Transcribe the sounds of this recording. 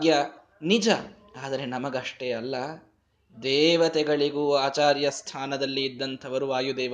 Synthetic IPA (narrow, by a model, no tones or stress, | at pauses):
ɡjɐ | nid͡ʒɐ | aːd̪ɐɾe̞nɐmɐɡɐʂʈeɐlːɐ | d̪ɛːʋɐt̪ɛɡɐɭiɡuːaːt͡ʃaːɾjɐst̪ʰaːnɐd̪ɐlːiːd̪ːɐnt̪ʰɐʋɐɾuʋaːjud̪ɛːɐ